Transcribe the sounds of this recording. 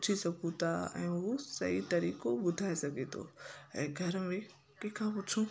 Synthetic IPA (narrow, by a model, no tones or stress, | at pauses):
ʊt͡ʃʰisɐkʰũt̪ʰaɛ̰̃ːɦosɐ̰it̪ɐɾiːkobʊd̪ʱaːesɐɡʱet̪ʰo̰ɛ̃ːɡʱɐɾəmẽ | kẽːkʰãpʊt͡ʃʰũ